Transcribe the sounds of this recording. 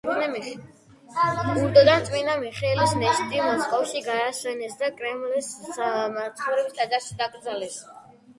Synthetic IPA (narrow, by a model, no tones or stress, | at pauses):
uɾd̪ɔd̪ant̪sʼwinamiχɛːlisnɛst̪ʼimɔskʼɔfʃiɡaːsɛnɛsd̪akʼɾɛmlɛsmat̪sʰχɔvɾɛbisd̪ʰad̪aʃid̪aɡɾd̪zalɛs